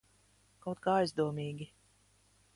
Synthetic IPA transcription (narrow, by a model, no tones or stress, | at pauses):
kawt̪̚kaːajzd̪uɔmiːɡʲi